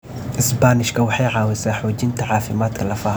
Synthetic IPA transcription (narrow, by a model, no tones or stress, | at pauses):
ʔɪsbaːnɪʃkʰɐwɑħɑjʕɑːwɪsaːħɔːt͡ʃɪnt̪ʰɐʕɑːfɪmaːd̪kʰɐlɐfaː